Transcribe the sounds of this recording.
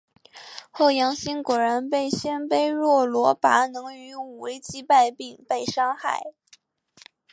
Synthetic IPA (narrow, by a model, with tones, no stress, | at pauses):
xo˥˩ʊjɑ˧˥ŋɕi˥nkwɔ˨˩ɻə˧˥npe˥˩ɪɕjɛ˥npe˥˧ɪɻwɔ˥˩lwɔ˧˥pa˧˥nɤ˧˥ŋy˧˥u˨˩we˧˥ɪt͡ɕi˥pa˥˧ɪpi˥˩ŋpe˥˩ɪʂɑ˥ŋxa̰˥˩ɪ